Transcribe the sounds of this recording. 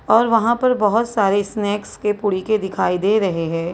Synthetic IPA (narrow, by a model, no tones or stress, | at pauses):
ɔːɾʋɐɦãpɐɾbɐɦʊt̪saːɾesnɛːkskepʊɽiked̪ɪkʰaːid̪eːɾɐɦeɦɛ̃ː